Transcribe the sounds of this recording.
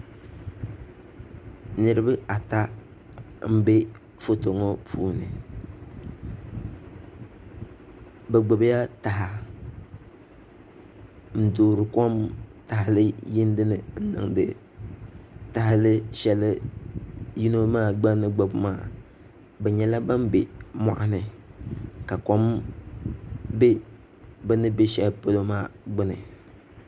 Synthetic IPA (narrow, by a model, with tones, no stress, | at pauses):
nɨ˨ɾɨ˦bɨ˦a˨ta˦ | m̩˦bɛ˦ | fo˦to˨ŋɔ˦pʰṵː˦nɨ˨ | bɛ˨ɡ͡bo˨bja˦ta˨ɦa˨ | n̩˨doː˨ɾɨ˨kɔ˦mta˨hɪ˨lɨ˦ji˦n˦dɨ˦nɨ˨n̩˦nɨ̰˨ŋdɨ̰˨ | ta˨ha˦lɨ˦ʃɛ˦lɨ˦ | ji˦no˦maː˦˨ɡ͡ba˦nɨ˦ɡ͡bo˨bmaː˦˨ | bɛ˨ɲɛ˦la˦ba˦mbe˨ma̰˨ʔa˦nɨ˨ | ka˨kɔ˦m | be˦ | bɛ˦nɨ˦be˦ʃɛ˦lpɨ˦lo˦maː˦˨ɡ͡bɪ˦nɨ˨